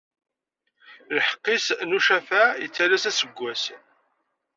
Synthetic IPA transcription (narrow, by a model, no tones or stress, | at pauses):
lħə̥qːisnuʃæfæjət͡sːæɾæsæsəɡʷːæsn